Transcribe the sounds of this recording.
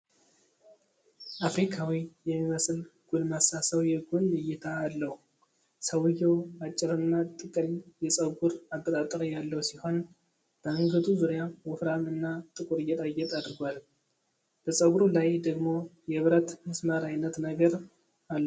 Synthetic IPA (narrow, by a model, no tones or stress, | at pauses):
ʔafɾikʰawijɛmːiməsɨlɡ̥ulmasasəwjɛɡunɨjːɪt̪ʰaːlːəhu | səwɨjowat͡ʃʼːɪɾɨnːat̪ʼɨkʼɨljɛsʼəɡʷuɾaɡːət̪ʼat̪ʼːəɾjalːəwsiho̞n | b̥əɨŋɡəd̪uzuɾjawɔfɾamɨnːat̪ʼɨkʼuɾɨjɛt̪ʼajːɛt̪ʼad̪ɨɾɡʷal | b̥əsʼəɡuɾulajd̪əɡmo̞jɛβɾət̪mɨsməɾajnːət̪nəɡəɾ | alːə